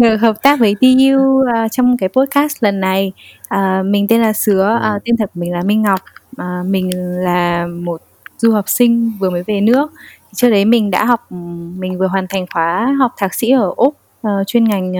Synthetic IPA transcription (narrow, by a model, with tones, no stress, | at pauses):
vɨ˨˩ɦəː˨˩p̚t̪aː˦˥k̚və˨˦jt̪i˧ʔi˧wəː˨˩t͡ɕɔ˧wŋ͡mkaː˨˦jpo˦˥t̚kaː˦˥st̚lə˨˩nːa˨˩j | ʔəː˨˩mï˨˩ŋ̟t̪e˧nlaː˨˩sɨ˨˦əʔt̪i˧nt̪ə˨˩kːmï˨˩ŋ̟laː˨˩mï˧ŋ̟ːa˨˩wk͡p̚ʔəː˨˩mï˨˩ŋ̟laː˨˩mo˨˩t̚zu˧həː˨˩wk͡p̚sï˧ŋ̟vɨ˨˩əməː˨˦jve˨˩nɨ̰˧˥ək̚t̪ʰi˨˩t͡ɕɨ˦ək̚ɗə˨˦jmï˨˩ŋ̟ɗa̰ː˧˥ɦɔ˨˩wk͡p̚mï˨˩ŋ̟vɨ˨˩əɦwaː˨˩nt̪ʰa˨˩jŋ̟xwaː˨˦ɦɔ˨˩wk͡p̚t̪ʰaː˨˩k̚sḭ˧˥ʔəː˧˩ʔʊ˦˥k͡p̚ | ʔə˨˩t͡ɕwi˧ənŋa˨˩jŋ̟